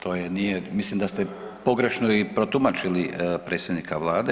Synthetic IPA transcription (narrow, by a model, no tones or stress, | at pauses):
t̪ʰo̞ːjenijemislimd̪ast̪e | po̞ɡɾe̞ʃnoipɾo̞t̪umat͡ʃilipɾe̞ːt̪sʲjed̪nikaʋlˠaːd̪e